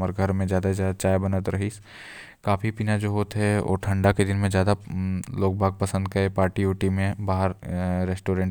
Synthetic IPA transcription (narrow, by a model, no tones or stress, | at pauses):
məɾɡʱəɾmẽd͡ʒjaːd̪azjaːd̪at͡ʃaːjbɐnət̪ɾɐɦi | kaːpʰipiːnad͡ʒoːɦoːt̪ɦɛo̰ːʈʰɐ̃ɳɖaked̪ɪnmẽd͡ʒjaːd̪aloːk̚bʱaːɡ̚pɐsə̃nd̪̚kaepaːɾʈiuːʈimẽbaːɦəɾɾɛsʈoːɾẽːɳʈ